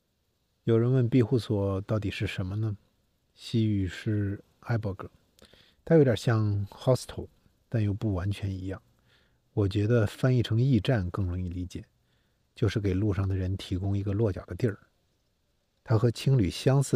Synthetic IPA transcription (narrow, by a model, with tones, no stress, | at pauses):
jo˨˩ʊɻə˧˥nwə˥˧npi˥˧xu˥˩swɔ˨˩t̪ɑ˥˩ʊt̪i˨˩ʂɻ̩˥˩ʂə˧˥nmə˧nə˧ | ɕi˥y˨˩ʂɻ̩˥˩ | a˥ɪpɔ˥˩k̩ʰ˥˩˦ | t̪ʰa˥jo˧˥t̪ʲjɑ˨˩ɕjɑ˥˧ŋxɑ˥st̪ʰo˨˧˩ʊ | t̪a˥˧njo˥˧ʊpu˥˩wa˧˥nt͡ɕʰɥɛ˧˥ni˧˥jɑ˥˩ŋ | wɔ˨˩t͡ɕɥɛ˧˥d̪ə˧fa˥˧ni˥˩ʈ͡ʂʰɤ˧˥ŋi˥˧ʈ͡ʂa˥˧nkɤ˥˩ŋɻʊ˧˥ŋi˥˩li˧˥t͡ɕjɛ̰˨˩˦ | t͡ɕjo˥˧ʊʂɻ̩˥˩ke˨˩ɪlu˥˧ʂɑ˥˩ŋd̪ə˩ɻə˧˥nt̪ʰi˧˥kʊ˥ŋi˧˥ɡə˧lwɔ˥˩t͡ɕjɑ˨˩ʊd̪ə˦t̪jɛ˥˩ | t̪ʰa˥xɤ˧˥t͡ɕʰi˥ŋly˨˩ɕjɑ˥ŋsɹ̩˥˩